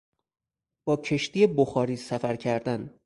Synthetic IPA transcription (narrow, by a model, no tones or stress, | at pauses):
b̥ɒːcʰe̞ʃt̪iːjeboxɒːɾiːsæfæɾcʰæɾd̪æn